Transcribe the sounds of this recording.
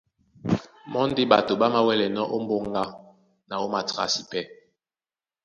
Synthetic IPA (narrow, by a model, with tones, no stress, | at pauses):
mɔ˦n˦de˦ɓa˨to˨ɓa˦ma˦wɛ˦lɛ˨nɔ˦ʔo˦m˦bo˦ŋɡa˦ | na˨o˦ma˨ta̰˨si˨pɛ˦